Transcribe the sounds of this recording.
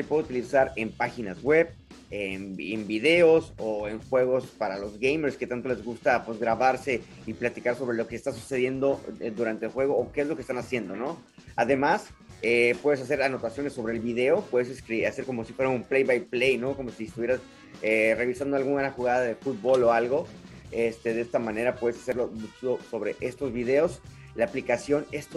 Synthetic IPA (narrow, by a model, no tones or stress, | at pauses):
t̪epwe̞ðut̪ilisaɾe̞mpaxinazɣwe̞β | emembiðe̞o̞soe̞ŋxwe̞ɣ̞o̞spaɾalo̞zɣejmeɾsket̪ant̪o̞le̞zɣust̪apwe̞zɣɾaβaɾse̞ | iplat̪ikaɾso̞βɾe̞lo̞ke̞ːst̪asu̥se̞ð̞je̞nd̪o̞d̪uɾant̪elxwe̞ɣo̞ːkeezlo̞kest̪anasje̞nd̪o̞no̞ | aðe̞mas | epwe̞ð̞e̞sas̬e̞ɾano̞t̪asjo̞nesːo̞βɾe̞ːlβiðe̞o̞pwe̞ðes̬eskɾiase̞ɾko̞mo̞sifwe̞ɾaumplejβajple̞jno̞ko̞mo̞sies̬t̪uβjeɾas | ere̞β̞isand̪oalɣunanaxuɣaðaðefut̪̚bo̞lo̞alɣo̞e̞st̪e̞ðest̪amãne̞ɾapweðe̞sḁse̞ɾlo̞oso̞βɾe̞ʔe̞st̪o̞zβiðe̞o̞s | laːplikasjo̞ne̞st̪o